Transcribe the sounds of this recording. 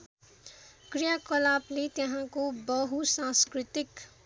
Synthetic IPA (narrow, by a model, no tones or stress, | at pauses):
krijakʌlaplet̪jʌɦãkobʌɦusãskrit̪ik